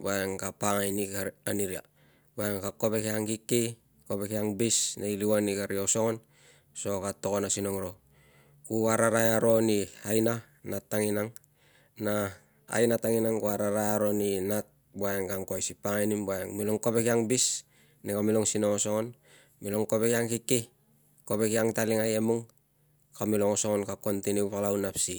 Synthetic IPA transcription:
baeŋkapaŋajnikaaniɾia̰ | baeŋkako̞pe̞kiaŋkikːi | kopekiaŋbisnejliwanikaɾioso̞ŋon | so̞katokonasino̞ŋɾo̞ | kuaɾaɾajaɾo̞niajna | natːaŋinaŋ | na | a̰jnataŋinaŋkuaɾaɾajaɾo̞ninat̚ | buajeŋkaŋkoajsipaŋajnimbuajeŋmiloŋkopekiaŋbis | nikamiloŋsino̞ŋoso̞ŋon | miloŋkope̞kiaŋkikːi | kope̞kiaŋtaliŋajemuŋ | kamilo̞ŋoso̞ŋonkako̞ntiniupalawnapsi

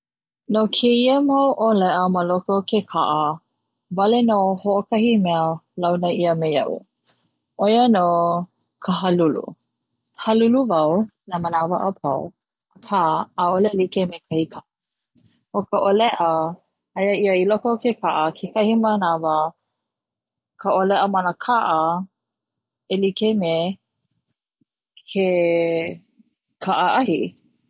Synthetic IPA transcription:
nokʰeiəmɐwʔolɛʔəməlokokekʰaʔə | vɐlenohoʔokʰɐhimɛəlɐwnəiəmejɐ̰ʔṵ | ʔojənoː | kʰəɦɐlulṵ | hɐluluvɐwnamənavəʔəpʰɐ̰w | akʰaaolelikemekʰɐhikʰaʔ | okəʔolɛʔə | hɐjəiəilɔkokekʰaʔəkʰekɐhimanavə | kʰəolɛʔəmɐnəkʰaʔə | elikeme | kʰe | kʰaʔəʔɐhi

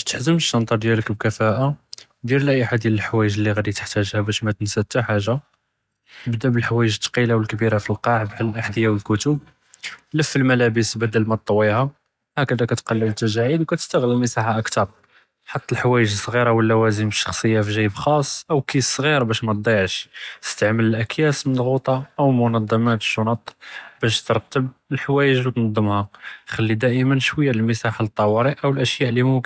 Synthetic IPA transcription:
ʃt̪ə̥ħzəmʃt̪ɑnt̪ˤɑɾˤd̪jæləkb̚kæfæʔa | d̪iɾlæʔəħad̪jæləlħwæjəʒəlːiɣæd̪it̪ə̥ħt̪æʒhæbæʃmæt̪ənsæd̪̚t̪ːaħaʒa | əbd̪æbəlħawæjəʒət̪ːɑ̥qilawəlkbiɾafilqɑʕb̪ʕləlʔaħd̪əjæwəlkʊt̪ʊb̚ | ləfːəlmælæbəsbæd̪əlmæt̪ˤːwːiha | hækəd̪ækæt̪qɑlːəbət̪ːæʒæʕid̪wkæt̪əst̪əɣləlməsˤɑħaʔəkt̪ɑɾˤ | ħat̪ːælħawæjəʒəsˤɣiɾɑwəlːæwæzəməʃːɑxsˤəjːafiʒæjəbxɑsˤːʔəwkisˤɣiɾbæʃmæt̪̚d̪ˤɑjəʕʃt̪ə̥st̪aʕmələlʔækjæsmənəlɣut̪ˤɑʔəwlmʊnɑd̪ˤːɑmæt̪ʃunɑt̪ˤːbæʃt̪əɾˤt̪ːəb̚əlħwæjəʒwt̪nɑd̪ˤːəmhaxælːid̪æʔəmənʃwəjːaləlməsaħalt̪ˤːɑwɑɾiʔʔəwəlʔəʃjæʔlːimʊ

